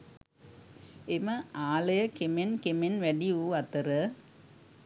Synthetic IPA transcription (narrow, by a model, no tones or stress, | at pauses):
emɐaːlɐjɐkemenkemenʋæɖiuːɐt̪ɐɾə